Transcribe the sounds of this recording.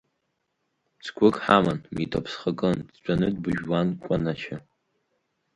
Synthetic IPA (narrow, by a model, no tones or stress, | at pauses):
t͡sʰkʷʰʊkʼħamanmitʰʼapʰsχəkʼɨndt͡ʃʷʼanɨdbɨʒwankʷʼanat͡ʃʰa